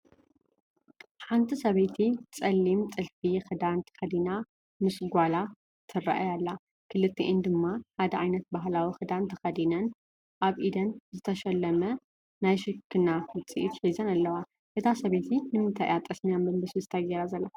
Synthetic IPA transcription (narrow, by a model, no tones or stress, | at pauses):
ħant̪ʰisɐβet̪ʰit͡sʼɐlːimt̪ʼɨlfixɨd̪ant̪ʰɨ̥xɐd̪ina | mɨsɡʷala | t̪ʰɨrɐ̰ʔajalːa | kʰɨlɨt̪ʰːiʔɨnd̪ɨmːaħad̪ɐʕajnɐt̪̚baɦlawixɨd̪ant̪ʰɨxɐd̪inɐn | ʔaβʔid̪ɐnzɨt̪ʰɐʃɐlːɐmɐ | najʃɨkʰːɨnafɨt͡sʼiʔit̪ħizɐnalːɐwa | ʔet̪ʰasɐβet̪ʰinɨmɨnt̪ʰɐʔat̪ʼɐsnijambɐmbɐsɨzɨt̪ʰɐjɐɾazɐlːa